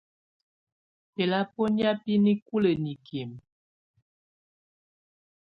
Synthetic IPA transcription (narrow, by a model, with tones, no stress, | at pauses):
pe˨la˦po˦nja˦pi˦ni˦ku˦lə˨ni˨kʰi˨m